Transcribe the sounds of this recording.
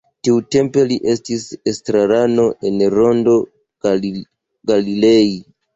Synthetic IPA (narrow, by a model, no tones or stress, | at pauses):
tiute̞mpe̞liʔe̞stisestɾaɾano̞ʔe̞nɾo̞ndo̞ | ɡalilei